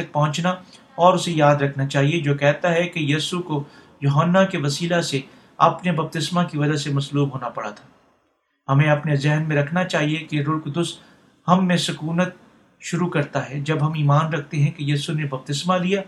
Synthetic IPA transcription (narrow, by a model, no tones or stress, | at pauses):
ɐk̚pɐɦʊ̃t͡ʃna | ɔːɾʊsejaːd̪ɾɐkʰnat͡ʃaːɦied͡ʒoːkɛɦt̪aɦɛkejiːsuko | joːɦənːakeʋɐsiːlase | ɐ̰pnebɐb̚t̪ɪsmakiʋɐd͡ʒasemɐsluːbɦoːnapɐɽat̪ʰḁː | hɐmẽɐpnezɛɦnmẽɾɐkʰnat͡ʃaːɦiekeɾʊɽkd̪ʊst̪ | hɐmːẽsʊkuːnət̪̚ | ʃʊɾukɐɾt̪aɦɛd͡ʒɐbɦɐmiːmaːnɾɐk̚ʰt̪eɦɛ̃kejiːsunebɐb̚t̪ɪsmalijaː